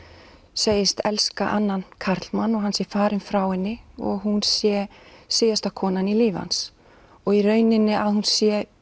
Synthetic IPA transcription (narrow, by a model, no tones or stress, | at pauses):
seːjɪst̪ɛlskaʔanːankʰaɾ̥t̪lmanɔɣɦansjɛfaːɾɪnfɾaːwɪnːɪɔ̰ɣɦunsjɛseːjast̪akʰɔːnaniliːva̰ns | ɔɣirœːɥnɪnːɪʔaðhunsjɛ